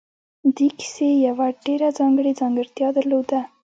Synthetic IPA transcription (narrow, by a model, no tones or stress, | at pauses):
d̪ekɪ̥sejawaɖeɾad͡zɑŋɡɽed͡zɑŋɡɪɾt̪jɑd̪aɾlod̪a